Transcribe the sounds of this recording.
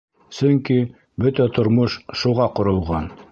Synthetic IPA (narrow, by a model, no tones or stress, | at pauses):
sɵŋki | bɵt̪æt̪ŏɾmoʃʃuʁɑqŏɾŏlˠʁɑn